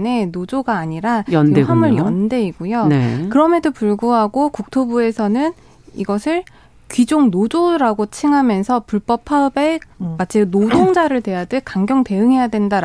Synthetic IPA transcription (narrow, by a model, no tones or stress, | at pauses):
ne̞nod͡ʑoɡaːɲiɾajʌndeamɯɭjʌnde̞iɡojonekɯɾʌmjedopuɭɡuɦaɡokuk̚tʰobue̞sʰʌnɯn | iɡʌsʰɯɭ | kɥid͡ʑoŋnod͡ʑoɾaɡot͡ɕʰiŋɦamjʌnsʰʌpuɭp͈ʌpʰaɯbemat͡ɕ͈ʰinodoŋd͡ʑaɾɯɭtwe̞jadɯkaŋɡjʌŋte̞ɯŋɦe̞jadwe̞ndaɾ